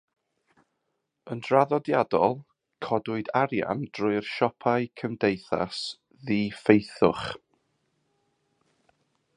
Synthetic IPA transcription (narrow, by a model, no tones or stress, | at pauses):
əndraðɔdjadɔlˠ | kʰɔdʊɨdaɾja̰nd̥rʊɨrʃɔpʰaɨkʰəmdejθa̰s | ðiːfejθʊ̰χ